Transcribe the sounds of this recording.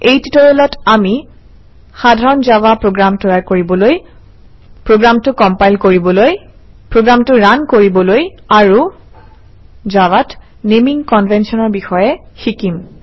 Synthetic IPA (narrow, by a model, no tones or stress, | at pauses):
ejtitɔɹɔlɔtʰami | xadʱaɹɔnzawapɹoɡɹamtɔjakoɹibɔloj | pɹoɡɹamtʊkɔmpajlkoɹibɔloj | pɹoɡɹamtʊɹankoɹibɔlojaɹu | zawat | nemiŋkɔnvʱɛnsɔnɔɹbixɔjɛxikim